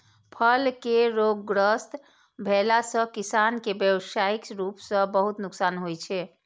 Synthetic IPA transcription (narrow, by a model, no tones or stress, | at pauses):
pʰəlkeɾoɡːɾəst̪ | bʱelasə̃kisankebjəwsaikɾupsə̃bəɦut̪nuksaːnɦojt͡ʃʰɛ